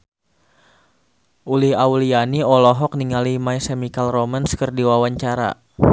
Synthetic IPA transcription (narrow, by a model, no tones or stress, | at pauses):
ʔulɪhaulianiɔlɔɦɔk̚niŋalimaisemikalromanskərdiwawaɲt͡ʃaɾa̰